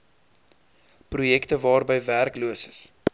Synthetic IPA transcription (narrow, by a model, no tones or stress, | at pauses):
prujɛktəvɑːrbəjværkluəsəs